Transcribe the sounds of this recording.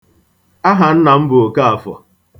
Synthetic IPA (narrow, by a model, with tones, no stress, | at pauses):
a˦ɦa˨n̩˦na˨m̩˦bʊ˨o˨ka˦a˨fɔ̰˨